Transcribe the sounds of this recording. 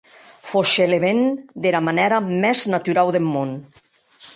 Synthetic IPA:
foʃeleβend̪eɾamanɛɾamɛznat̪yɾawðemmon

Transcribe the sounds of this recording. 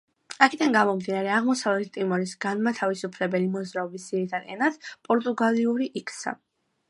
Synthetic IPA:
akʰɛd̪aŋɡamɔmd̪inaɾɛaʁmɔsavlɛt̪ʰt̪ʼimɔɾisɡanmat̪ʰavisupʰlɛbɛlimɔzɾaɔbisːiɾit̪ʰanɛ̰nad̪pʼɔɾt̪ʼuɡaliuɾiʔikʼʰsa̰

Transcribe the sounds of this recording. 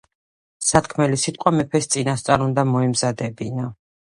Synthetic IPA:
sat̪̚kʰmɛlisit̪ʼqʼwamɛpʰɛst̪sʼinast̪sʼaɾund̪amɔɛmzad̪ɛbina

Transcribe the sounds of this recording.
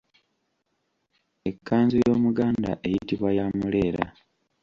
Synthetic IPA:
e̞kʰːaːnzojo̞ːmuɡaːnda̰ʔe̞jitiβwajamule̞ːɾa̰

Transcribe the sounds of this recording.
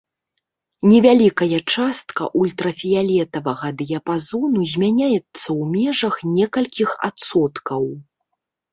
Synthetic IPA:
nʲɛvʲalʲikɐjɐt͡ʂast̪kɐ̰ʔulʲt̪ɾɐfʲijalʲɛt̪ɐvɐɣɐd̪ɨjɐpazɔnuzʲmʲanʲajɛt̪sːɐwmʲɛʐɐxnʲɛkɐlʲkʲixa̰t̪sɔt̪kɐw

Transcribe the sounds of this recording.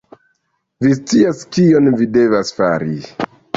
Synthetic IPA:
vist͡siaskio̞nvide̞vasfa̰ɾi

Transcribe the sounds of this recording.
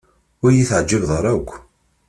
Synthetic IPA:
ʊɾjiθʕd͡ʒːəvðˤəɾˤækʷː

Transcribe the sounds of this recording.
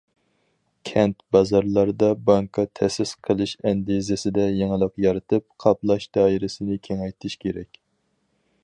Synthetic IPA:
kʲʰɛnt̪bɑzɑɾlˠɑɾd̪ɑbɑŋkʰɑt̪ʰɛsɪsqʰəlˠɨʃɛnd̪izɪsɪd̪ɛjeŋəlˠəqjɑɾɨt̪ʰɨp̚qʰɑplˠɑʃd̪̥ɑːiɾɪsɪnɪkʲʰeŋɛjt̪ʰɪʃkʲeɾɛkʲ

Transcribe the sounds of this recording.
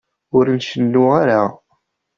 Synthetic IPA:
ʊɾnʃənːuaɾa

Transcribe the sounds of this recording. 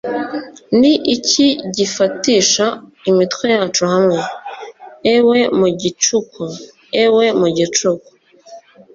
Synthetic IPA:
niʔiciɟifatiːʃaimitkwejaːt͡ʃuhamŋe̞ | ewe̞muɟit͡ʃukʰu | ewe̞muɟit͡ʃuku̥

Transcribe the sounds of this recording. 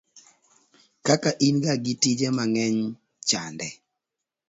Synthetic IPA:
kakaʔinɡaɡitid͡ʒɛmaŋɛɲ | t͡ʃandɛ

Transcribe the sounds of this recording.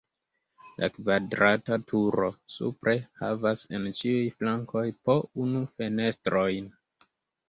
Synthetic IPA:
la̰kvadɾatatʰuɾo̞sṵpɾʔe̞ha̰vase̞nt͡ʃiujflaŋkʰo̞jpo̞unufe̞ne̞stɾo̞jn

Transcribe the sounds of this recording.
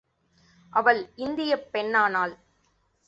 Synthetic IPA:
ʔɐʋɐɭɪnd̪ɪjɐpːɛɳːaːnaːl

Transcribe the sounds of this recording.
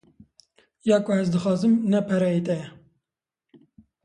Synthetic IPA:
jɑːkoɛzd̪ɨxɑːzɨmnɛpʰɛɾɛit̪ɛjɛ

